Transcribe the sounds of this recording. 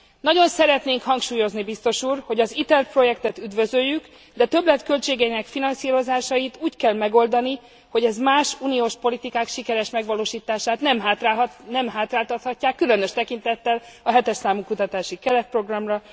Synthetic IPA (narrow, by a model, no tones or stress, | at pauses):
nɒɟo̞nsɛɾɛt̪neːŋkhɒŋkʃuːjo̞znibist̪o̞ʃuːrho̞ɟɒzit̪ɛrpro̞jɛkt̪ɛt̪yd̪vø̞zøjːyk | d̪ɛt̪ø̞blɛt̪kølt͡ʃeːɡɛinɛkfinɒnsiːɾo̞zaːʃɒjit̪uːckɛlmɛɡo̞ld̪ɒni | ho̞ɟɛzmaːʃunioːʃpo̞lit̪ikaːkʃikɛɾɛʃmɛɡʋɒloːʃiːt̪aːʃaːt̪nɛmɦaanɛmɦaːt̪raːlt̪ɒt̪hɒcːaːkːylø̞nøʃt̪ɛkin̪t̪ɛt̪ːɛlɒɦɛt̪ɛʃsaːmukut̪ɒt̪aːʃikɛlɛt̪pro̞ɡrɒmrɒ